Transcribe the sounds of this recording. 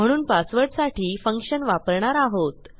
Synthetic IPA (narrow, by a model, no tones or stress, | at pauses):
m̤əɽ̃uːnpasʋəɽsaʈʰiːfəŋkʂənʋapəɾɳaɾaɦot̪